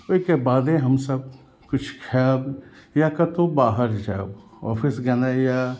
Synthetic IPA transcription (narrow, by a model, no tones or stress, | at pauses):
ʊkebaːd̪eɦɐmsəb̚ | kʊt͡ʃʰkʰaːbjakɐt̪obaːɦəɾd͡ʒaːb | ɔ̰ːpʰɪsɡɐnaja